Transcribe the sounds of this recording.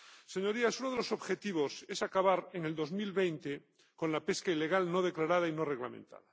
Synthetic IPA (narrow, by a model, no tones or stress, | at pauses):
seɲo̞ɾiasunoð̞eloso̞βxe̞t̪iβ̞ose̞sakaβaɾeŋe̞ld̪o̞zmilβejnt̪e | ko̞nlape̞skaile̞ɣ̞alno̞ð̞eklaɾaðaino̞reɣlamḛ̃nt̪a̰ða